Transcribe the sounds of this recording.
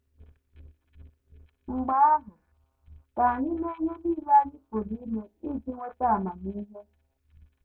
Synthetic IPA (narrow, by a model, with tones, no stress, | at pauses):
ŋ͡m̩˨ɡ͡ba˦lɔ˨ | ka˨ni˦nɛ˦ɲɛ˦ni˦la˦ni˦ko˨li˦nɛ˨i˦˨ti˦ŋwɛ˦ta˦˨ma˨miː˦lɛ˦